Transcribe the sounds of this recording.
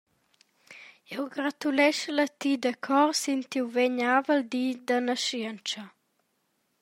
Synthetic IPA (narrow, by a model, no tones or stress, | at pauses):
ɛwɡɾat̪ulɛʃələt̪id̪əkʰɔɾsint̪iwveɲavəld̪id̪ənəʃiənt͡ʃə